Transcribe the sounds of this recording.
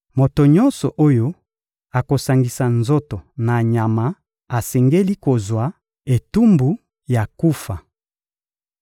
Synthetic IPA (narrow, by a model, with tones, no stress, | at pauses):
mo˨to˨ɲɔ˦nsɔ˨ʔo˦jo˦ | a˨ko˨sa˨ŋɡi˨sa˨nzo˦to˨na˨ɲa˨ma˨˦ | a˨sɛ˨ŋɡe˦li˦ko˨zwa˨˦ | e˨tu˦mbu˦ | ja˨ku˦fa˨